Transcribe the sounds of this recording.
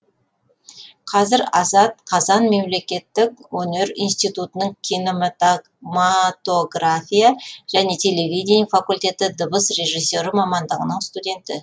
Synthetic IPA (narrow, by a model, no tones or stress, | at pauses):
qʰɑzɪɾɑzɑt̪̚qʰɑzɑnme̞mle̞kʲe̞t̪ːɪkwɵne̞ɾḭnst̪ijt̪ut̪ənəɴkʲʰino | mat̪o̞ɡrafʲijaʒ̥æne̞t̪ʰe̞le̞vʲijd̪ʲenifakulʲt̪ʲe̞t̪ɪd̪əbəsre̞ʒijsʲːo̞ɾɪmɑmɑnd̪əʁənəɴst̪ud̪ʲe̞nt̪ɪ